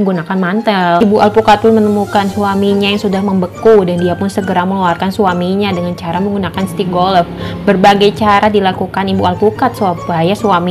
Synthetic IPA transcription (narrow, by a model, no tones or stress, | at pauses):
əŋɡunakanmant̪əlibuʔalpukat̪̚pʊnmənəmukansuamiɲajaŋsudahməmbəkudandiapʊnsəɡəɾaməluarkansuamiɲadəŋant͡ʃaɾaməŋɡunakanst̪iɡɔlfbərbaɡajt͡ʃaɾadilakukanibualpukat̪̚suabajasuami